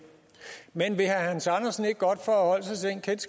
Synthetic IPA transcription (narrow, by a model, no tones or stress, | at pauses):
menʋe̝ɦæhænsɑnɐsn̩e̝ɡ̥̚ɡ̥ɒ̽d̥fɒæɦɒ̽l̰sasenkʰens